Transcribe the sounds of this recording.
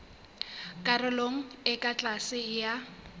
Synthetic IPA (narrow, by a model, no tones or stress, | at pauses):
kʼarɪloŋ̩ɪkʼat͡ɬʼasɪja